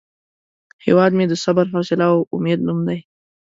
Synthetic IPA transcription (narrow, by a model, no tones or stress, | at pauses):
hḛwɑd̪med̪əsabaɾfɑsɪlaoʔʊmed̪numd̪aj